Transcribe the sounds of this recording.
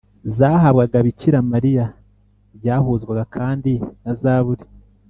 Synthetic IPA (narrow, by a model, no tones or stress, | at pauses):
zaːɦaβɡaɡaβiciɾamaɾija | βɟaːhuːzɡwaɡakʰaːndinazaːβuɾi